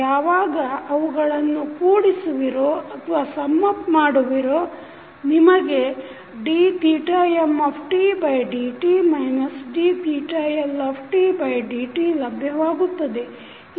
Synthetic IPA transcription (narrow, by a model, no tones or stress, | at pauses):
aːʋaːɡɐɐʋuɡɐɭɐnːukuːɽisuʋiɾoːɐt̪ʰʋaːsɐmːɐpmaːɽuʋiɾoː | nimɐɡe̞ | ɖiːt̪iːʈaːjemːɐːpʰʈibɐjɖiːʈimɐjnɐsɖiːt̪iːʈajelɐːpʰʈibɐjɖiːʈilɐbʱjɐʋaːɡut̪ːɐd̪e̞